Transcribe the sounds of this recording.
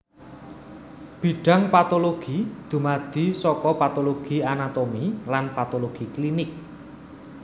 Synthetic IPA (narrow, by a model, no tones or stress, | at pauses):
b̥i̤ɖ̥a̤ŋpat̪oloɡ̥id̪̥ṳmad̪̥i̤sɔkɔpat̪oloɡ̥i̤anat̪omilanpat̪oloɡ̥iklinɪk̚